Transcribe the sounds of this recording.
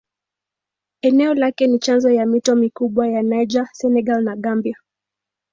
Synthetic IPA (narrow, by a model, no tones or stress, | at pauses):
ɛnɛɔlakɛnit͡ʃanzɔjamitɔmikuɓwajanajd͡ʒasɛnɛɡalnaɠambia